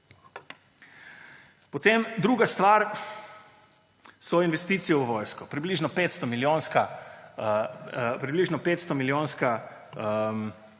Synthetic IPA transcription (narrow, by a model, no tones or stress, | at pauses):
pɔt̪emd̪ɾuːɡast̪ʋaɾ | sɔinʋɛst̪iːt̪sijɛwʋɔːjskɔpɾibliʒnɔpeːt̪st̪ɔmiljoːnska | pɾibliʒnɔpeːt̪st̪ɔmiljoːnska | m